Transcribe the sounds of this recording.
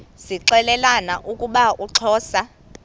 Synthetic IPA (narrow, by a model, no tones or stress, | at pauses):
siǁɛlɛlanaʔukʼuɓaʔuǁʰɔːsa